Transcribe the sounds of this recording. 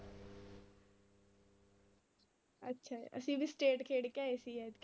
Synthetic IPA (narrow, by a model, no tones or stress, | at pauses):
ə̰tːʃʰa̰ːə̰sĩːbʱisʈeːʈkʰeːɽkɛːesiːɛd̪k